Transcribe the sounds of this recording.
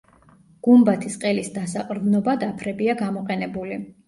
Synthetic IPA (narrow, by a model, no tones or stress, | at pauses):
ɡ̥umbat̪ʰisqʼɛlisd̪asaqʼɾd̪nɔbad̪apʰɾɛbiaɡamɔqʼɛnɛbuli